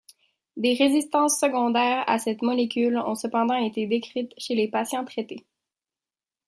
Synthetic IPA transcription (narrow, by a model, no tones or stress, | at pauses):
d̪eʁezist̪ɑ̃sːəɡɔ̃d̪ɛːʁa̰sɛt̪mɔlekʲylɔ̰̃səpɑ̃d̪ɑ̃et̪ed̪ekχit̪ʃelepasjɑ̃t̪χet̪e